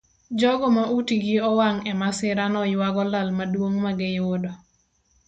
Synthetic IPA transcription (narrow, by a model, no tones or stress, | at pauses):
d͡ʒɔɡɔmaʔutiɡiɔwaŋɛmasɪɾanɔjwaɡɔlalmadwoŋmaɡɛjwodɔ